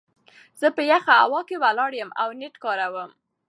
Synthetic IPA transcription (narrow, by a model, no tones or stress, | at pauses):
z̥əpəjaxaa̰wɑkewalɑɽjəmawneʈkɑɾawəm